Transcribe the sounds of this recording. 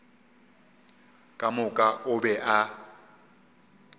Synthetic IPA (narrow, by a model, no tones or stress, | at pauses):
kʼamʊkʼaʔʊbɛʔa